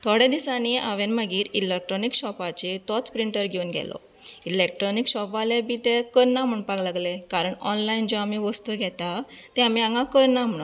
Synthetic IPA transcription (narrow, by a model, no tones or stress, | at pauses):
t̪ʰɔɽjed̪isaniʔaʋenməɡiːɾilek̚ʈɾɔnikɕɔpat͡ɕet̪ɔt̪ʰpɾiɳʈəɾɡʱeunɡʱɛ̰lɔ̰ | ilek̚ʈɾɔnikɕɔpalebʱiːt̪ekəɾnam̤əɳpaɡlaɡlekaɾəɳɔnlaind͡ʑɔamiʋəst̪uɡʱɛt̪at̪ɛ̃amiãŋɡakəɾnam̤əɳu